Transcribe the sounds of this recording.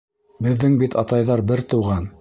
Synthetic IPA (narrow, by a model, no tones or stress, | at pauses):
bɘ̆ðːɘŋbit̪ɑt̪ɑjðɑɾbɘɾt̪ɤ̆wʁɑn